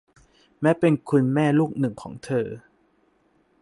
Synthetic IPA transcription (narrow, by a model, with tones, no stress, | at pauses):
mɛː˦˥pe˧nkʰu˧nmɛː˥˩luː˥˩k̚nɯ˨˩ŋkʰɔ̰ː˩˦ŋt̪ʰɤː˧